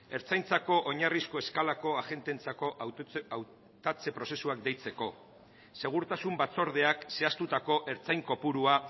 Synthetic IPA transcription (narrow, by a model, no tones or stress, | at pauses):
e̞ɾt͡sajnt͡sako̞ʔoɲarisko̞e̞skalako̞aʝe̞nt̪e̞nt͡sako̞aw | t̪at͡se̞pɾo̞se̞suakd̪e̞jt͡se̞ko̞ | se̞ɣ̞uɾt̪asumbat͡so̞ɾðe̞akse̞ast̪ut̪ako̞ʔeɾt͡sajŋko̞puɾua